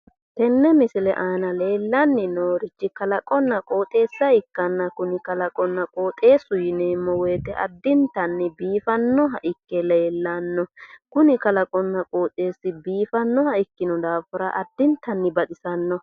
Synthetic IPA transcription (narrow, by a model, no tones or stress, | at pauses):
t̪ɛnːɛmɪsɪlɛ̰ʔaːnɐle̞ːlːɐnːɪnoːɾɪt͡ʃːɪkɐlɐkʼɔnːɐkʼo̞ːt̪ʼe̞ːsːɐɪkːɐnːɐkʊnɪkɐlɐkʼɔnːɐkʼo̞ːt̪ʼe̞ːsːʊjɪneːmːɔwɛjːt̪ɛʔɐ̰d̪ːɪnt̪ɐnːɪbiːfɐnːɔɦɐʔɪkːɛleːlːɐnːɔkʊnɪkɐlɐkʼɔnːɐkʼoːt̪ʼe̞ːsːɪbiːfɐnːɔhɐɪkːɪnɔd̪aːfɪɾɐʔɐd̪ːɪnt̪ːɐnːɪbɐt̪ʼɪsɐnːɔ